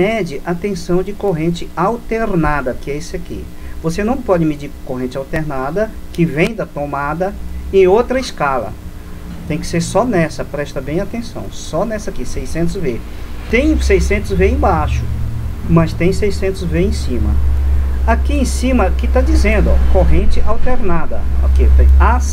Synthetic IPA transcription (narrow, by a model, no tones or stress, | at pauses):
mɛd͡ʒɪʔat̪ẽsɐ̃w̃d͡ʒɪkoɦẽnt͡ʃɪawt̪eɾnad̪ɐkɪɛisʊakḭ | vosenɐ̃w̃pɔd͡ʒɪmɪd͡ʒiɾkoɦẽnt͡ʃɪawt̪eɾnad̪ɐkɪvẽj̃d̪ɐt̪omad̪ɐẽj̃owt̪ɾɐɪskalɐ̰ | t̪ẽj̃kɪ̥seɾsɔnɛsɐpɾɛʃt̪ɐbẽj̃at̪ẽsɐ̰̃w̃sɔnɛsɐakisejsẽnt̪̬ʊzve | t̪ẽj̃sejsẽnt̪ʊzveẽj̃baʃʊ̥mɐst̪ẽj̃sejsẽnt̪ʊzveẽsĩmɐ̰ | akiẽsĩmɐkɪt̪ad͡ʒizẽnd̪ʊɔ̰koɦẽnt͡ʃɪʔawt̪eɾnad̪ɐoket̪eas